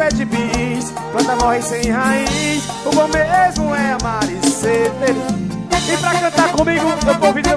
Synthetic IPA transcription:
ɛd͡ʒɪbis | kwɐ̃d̪ɐmɔɦɪsẽj̃haĩs | ʊbõmezmʊɛamaɾiset̪eɾ | ɪpɾakɐ̃nt̪aɾkõmiɡʊewvowviɾe

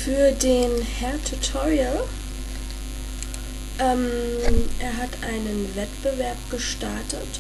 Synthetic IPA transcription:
fyːɐdeːnhɛɐtʰutʰɔʁial | ʔɛmʔeːɐɦatʔaɪnənvɛtb̥əvɛɐpɡ̥əʃtaɐtət

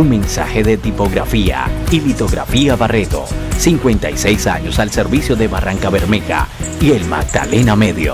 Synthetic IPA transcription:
uŋmẽ̞nsa̰xeðet̪ipo̞ɣɾa̰fia̰ilit̪o̞ɣɾa̰fiaβaret̪o̞̰siŋkwent̪ajse̞jsaɲosalseɾβisjoðeβaraŋkaβeɾmeɣa̰ | ielma̰ɡ̚d̪a̰le̞name̞ðjo

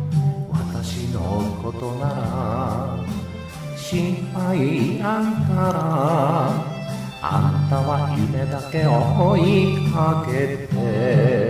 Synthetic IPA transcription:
wa̰t̪aɕinoɯkot̪onaɾa | ɕĩmpaiaŋkaɾa | a̰nt̪aβakimed̪akeohoikaɡet̪e

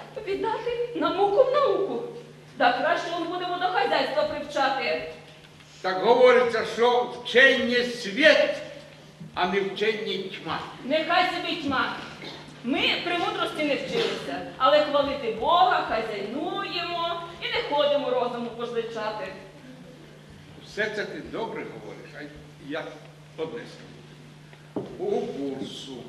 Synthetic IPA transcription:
ʋʲid̪nɑt̪ɪnɐukɔwnɐukʊ | d̪ɐkɾaʃt͡ʃɛɔnbud̪emɔd̪ɔxɐzʲajst̪ʋɐpɾɪwt͡ʃɑt̪ɪ | t̪akɦɔʋɔɾʲɪt͡sʲːɐʃɔwt͡ʃɛnʲːɛsʲʋʲɛt̪ | ɐnɛwt͡ʃɛitʲma̰nɛxajsɐbitʲmɑ | mɪpɾʲɪmut̪ɾɔsʲtʲɪnɛwt͡ʃɪlɪsʲɐɐlˠɛxʋɐlˠɪt̪ɪbɔɦɐxajzɐjnujemɔinɛxɔd̪ɪmɔɾɔzʊmʊpɔzlˠɪt͡ʃɑt̪ɪ | sɛrt̪sɛt̪ɪd̪ɔbɾɛɦɔʋɔ̰ɾɪʃɐj | jak | ɔd̪nɛ̰st̪ɐni | ukursʊ

